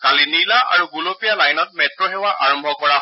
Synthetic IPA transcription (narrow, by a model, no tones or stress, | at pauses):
kalinilaʔa̰ɹuɡulopijalajnɔt̚mɛtɹɔɦɛwaʔa̰ɹɔmbʱɔkɔɹaɦ